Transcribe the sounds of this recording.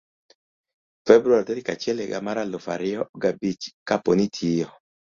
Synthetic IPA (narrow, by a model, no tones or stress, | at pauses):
fɛbɾuaɾtɛɾɪkat͡ʃɪɛleɡa̰maɾalofa̰ɾɪɔɡabit͡ʃkaponitʰijɔ